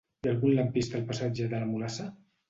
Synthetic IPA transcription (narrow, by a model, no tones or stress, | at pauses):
ialˠɣunləmpist̪əlˠpasad͡ʒəðələmulasə